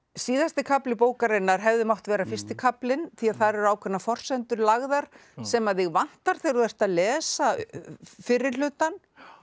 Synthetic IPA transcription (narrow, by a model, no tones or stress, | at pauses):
siːðast̪ɪkʰaplɪpoːwkaɾɪnːaɾ̥ɦɛvðʏmawht̪vɛːɾafɪr̥st̪ɪkʰaplɪnθiaðθaɾɛɾʏaːwkʰvɛnːafɔr̥sɛnt̪ʏɾlaɣðaɾ̥ | sɛmaðθɪɣvan̥t̪aɾ̥θejɾðɛr̥t̪aðlɛːsa | fɪrːɪl̥ʏːt̪an